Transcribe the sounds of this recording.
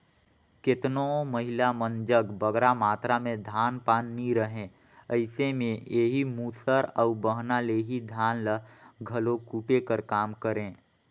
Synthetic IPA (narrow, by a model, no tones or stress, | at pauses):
kɪt̪nõməɦɪlamə̃nd͡ʒəɡbəɡɾamaːt̪ɾamẽd̪ʱaːnpaːnːiɾəɦẽ | əɪsemẽeːɦimuːsəɾəʊbəɦnaleɦid̪ʱaːnləɦɡʱɐlokuːʈekəɾkaːmkəɾẽː